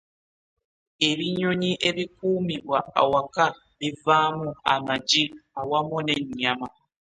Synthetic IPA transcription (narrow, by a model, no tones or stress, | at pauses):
eβiɲoɲiʔeβikuːmiβwaa̰waka | βivamua̰mad͡ʒiawamoneɲːama